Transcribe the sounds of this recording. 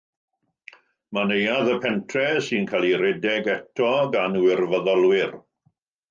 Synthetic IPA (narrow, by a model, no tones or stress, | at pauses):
manejaðəpʰɛntʰrɛsinkʰalˠiɾɛdɛɡɛtʰɔɡanwɪrvəðɔlˠwɪr